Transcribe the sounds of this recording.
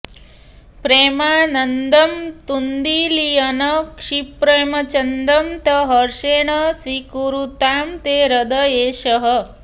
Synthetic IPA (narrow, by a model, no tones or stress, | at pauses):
pɾeːmanɐnd̪ɐmt̪und̪ilijɐnɐkʂipɾemɐt͡ʃɐnd̪ɐmt̪ɐɦɐɾʃeːɳɐsʋikuɾut̪aːmt̪eɾɐd̪əeːʃəɦə